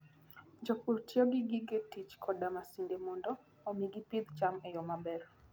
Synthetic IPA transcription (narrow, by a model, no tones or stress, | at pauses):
ɲd͡ʒɔkuɾtiɔɡɪɡɪɡetit͡ʃkʰɔdamasindemondɔː | miɡipid̪t͡ʃamɛjɔmabɛɾ